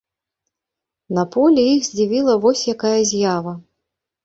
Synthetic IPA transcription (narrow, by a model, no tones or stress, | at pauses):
nɐpɔlʲijiɣzʲd͡zʲivʲilˠɐvɔsʲjakajɐzʲjavɐ